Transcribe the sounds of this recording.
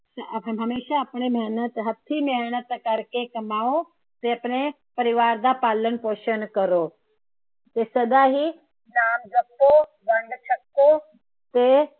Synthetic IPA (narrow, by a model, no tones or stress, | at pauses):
ɦɦəmeːɕaːpɳemeɦnət̪ɦɐt̪ʰːimeɦɳət̪əkaɾkekəmao | t̪eapɳ̃e | pəɾiʋaɾd̪apalənpoʃənkəɾo | t̪esəd̪aɦiː | namd͡zək̚t̪o | bəɳɖt͡ʃək̚t̪o | t̪e